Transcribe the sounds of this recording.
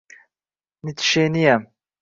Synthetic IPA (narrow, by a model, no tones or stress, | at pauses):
nit̪ʰi̥ʃenijɛ